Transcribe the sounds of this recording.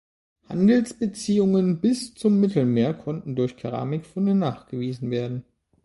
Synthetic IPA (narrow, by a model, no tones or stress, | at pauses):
ha̰ndl̩sb̥ət͡siːʊŋənbɪst͡sʊmːɪtl̩meːɐkʰɔntn̩dʊɐçkʰaʁ̞a̰ːmɪkfʊndənaːχɡ̥əviːzn̩veːɐdn̩